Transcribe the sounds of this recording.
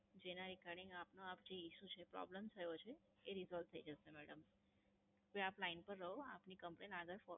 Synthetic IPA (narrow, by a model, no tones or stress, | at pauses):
d͡ʒenaɾikaɾɖĩŋɡapnoap̚d͡ʒeiʃũt͡ʃʰepɾɔ̰bləmt̪ʰəjot͡ʃʰeː | ɾizɔlʋt̪ʰəid͡ʒəʃemɛɽəm | keaplainpəɾːəɦoa̰pnikəmplenaɡəɾfɔ